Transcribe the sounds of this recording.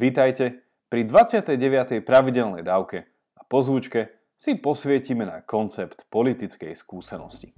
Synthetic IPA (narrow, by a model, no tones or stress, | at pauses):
ʋit̪ajcɛ | pɾid̪ʋat͡sɪat̪ɛjɟɛʋɪat̪ɛjpɾaʋiɟɛlnɛjd̪aːʊkɛ | apɔzʋut͡ʃkɛ | sipɔsʋɪɛcimɛna̰kɔnt͡sɛpt̪pɔlit̪it͡skɛ̰jskuːsɛnɔ̰sci̥